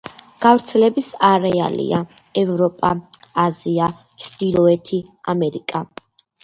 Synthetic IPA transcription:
ɡ̥avɾt̪sʰɛlɛbisaɾɛa̰lḭa | ɛvɾɔpʼaazia | t͡ʃʰɾd̪̥ilˠɔɛt̪ʰiamɛɾikʼa

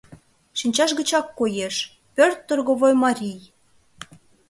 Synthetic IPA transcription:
ʃinʲt͡ɕɑʃɣə̆t͡ɕɑkːojeʃ | pørt̪ːorɣoβojmɑɾʲij

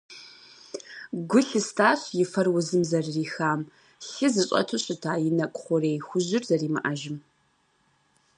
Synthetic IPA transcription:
ɡʷʊɬɨstʰaːɕjɪfɐrwʊzɨmzɐrːiːxaːm | ɬɨzɨɕʼɐ̰tʰʊɕɪtʰaːjɪnɐkʷʼʊχʷɔrejxʷʊʑɪrzɐriːmɨ̰ʔaʒɪm

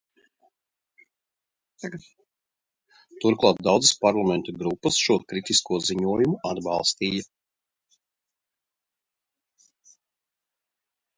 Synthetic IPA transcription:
t̪aɡ̪ | t̪uɾklˠaːt̪̚d̪awd̪zəspaɾlˠamɛnt̪ɔɡɾupːɐsʃuɔkɾit̪iskuɔziɲuɔjumuad̪ba̰lˠst̪iːjɐ

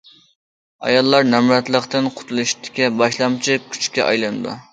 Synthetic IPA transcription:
ɑ̰jɑlˠːɑɾnɛmɾɛt̪lˠəqt̪ɪnqʰʊ̥t̪ʰulˠɨʃt̪ʰɪ̥kʲɛbɑʃlˠɑmt͡ʃʰikʲʰy̥t͡ʃkʲɛ̰ʔɑ̰jlˠɨnɨd̪ṵ

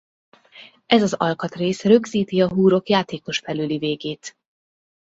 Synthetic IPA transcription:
ʔɛzɒzɒ̰lkɒt̪reːsrø̞ɡziːt̪iɒɦuːɾo̞kjaːt̪eːko̞ʃfɛlyliveːɡeːt̪

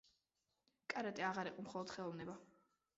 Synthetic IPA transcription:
kʼaɾat̪ʼiaʁaɾiqʼɔmχɔlˠɔd̪̥χɛlˠɔvnɛba

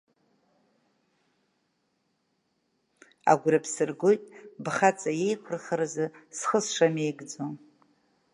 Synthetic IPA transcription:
a̰ɡʷɾapʰsɨrɡojtʼbχat͡sʼaje̞jkʷʰʊrχaɾazɨsχəsʂame̞jɡd͡zon

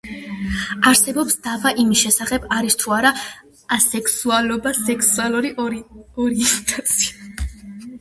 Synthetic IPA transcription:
aɾsɛbɔpsd̪̥avaʔimisʃɛsaχɛbaɾist̪ʰuaɾa | sɛksualɔbasɛksualˠuɾiɔɾiɛnt̪ʰat̪sʰia

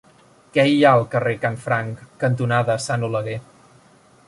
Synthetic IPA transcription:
kɛiaəlˠkərekanfɾaŋkːənt̪̬unaðəsanuləɣe

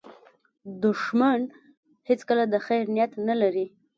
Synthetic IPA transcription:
d̪ʊʃman | het͡skəlad̪əxajɾnijat̪nalaɾi

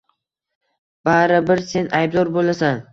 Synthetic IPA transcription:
b̥aɾɪbɪɾse̞najb̚d̪ɒɾbolˠasan

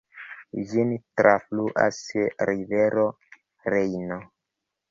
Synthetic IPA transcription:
d͡ʒintɾʔafluʔa̰sɾiveɾo | ɾejno

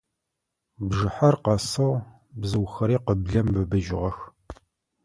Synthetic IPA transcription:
bʐɨħɐrqɐsɐʁ | bzɨwxɐɾiːqəbɮɐmbɨbɨʒɪʁɐx

